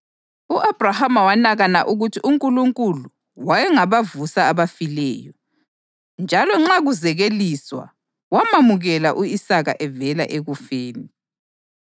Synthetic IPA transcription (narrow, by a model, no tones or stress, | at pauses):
uʔab̥ʱrahamawanaɣana̰ʔuɣutʰiʔuŋkʼuluŋkʼulu | wajɛŋaβavusaːβafilɛ̰ːjɔ | nd͡ʒʱalɔŋ͡ǁaɣuzɛɣeliswa̰ | wamamuɣɛlaʔuisaɣa̰ʔɛvɛla̰ʔeɣufeːni